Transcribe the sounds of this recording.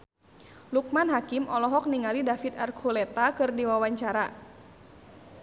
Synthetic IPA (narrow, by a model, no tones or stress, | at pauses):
luk̚manɦakɪmɔlɔɦɔk̚niŋalidafit̪arkʰulɛt̪akɨrdiwawaɲt͡ʃaɾa